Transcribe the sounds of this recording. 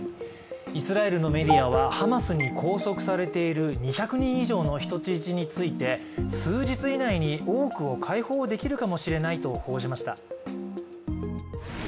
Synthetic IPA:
isɨɾae̞ɾɯ̟no̞me̞d̪ʲiaβ̞ahamasɨɲ̟ikʰo̞ːso̞kɯ̟̥saɾe̞t̪e̞iɾɯ̟ɲ̟içʲakɯ̟ɲ̟ĩɰ̃iʑo̞ːno̞çi̥t̪o̞t͡ɕit͡ɕiɲ̟it͡sɨit̪e̞ | sɨːd͡ʑit͡sɨinaiɲ̟io̞ːkɯ̟o̞kʰaiho̞ːd̪e̞kʲiɾɯ̟kamo̞ɕiɾe̞nait̪o̞ho̞ːʑimaɕi̥t̪a̰

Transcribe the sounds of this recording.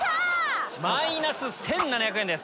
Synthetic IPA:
mainasɨsẽ̞nːanaçjakɯe̞nd̪e̞sɨ̥

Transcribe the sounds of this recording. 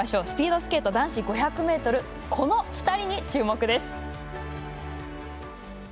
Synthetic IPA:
aɕo̞sɨ̥pʲiːd̪o̞sɨ̥ke̞t̪ːo̞d̪ãɰ̃ɕiɡo̞çakɯ̟me̞ːt̪o̞ɾɯ̟ | kʰo̞no̞ɸɯ̟̥t̪aɾʲiɲ̟it͡ɕɨːmo̞kɯ̟d̪e̞sɨ̥

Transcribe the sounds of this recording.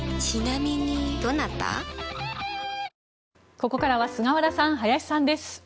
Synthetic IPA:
t͡ɕinamʲiɲ̟id̪o̞nat̪ːa̰ | ko̞ko̞kaɾaβasɨŋaβaɾasãɰ̃ɦajaɕʲi̥sãnd̪e̞sɨ̥

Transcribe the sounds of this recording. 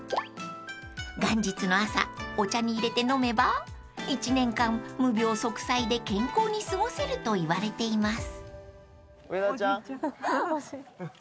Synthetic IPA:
ɡãɲ̟d͡ʑit͡sɨno̞asa̰o̞t͡ɕaɲ̟iːɾe̞t̪e̞no̞me̞ba | it͡ɕinẽ̞ŋkãmmɯ̟bʲo̞ːso̞kɯ̟̥said̪e̞kẽ̞ŋko̞ːɲ̟isɨɡo̞se̞ɾɯ̟t̪o̞iβaɾe̞t̪e̞imasɨ̥

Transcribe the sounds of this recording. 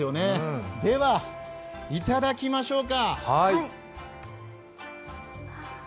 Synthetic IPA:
jo̞ne̞d̪e̞βa | it̪ad̪akʲimaɕo̞ːkahai

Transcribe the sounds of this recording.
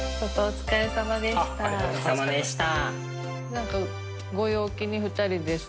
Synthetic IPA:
t͡ɕot̪ːoːt͡sɨ̥kaesamad̪e̞ɕt̪asamad̪eɕi̥t̪a | nãŋka | ɡo̞jo̞ːkʲiɲ̟iɸɯ̟t̪ːaɾʲid̪es

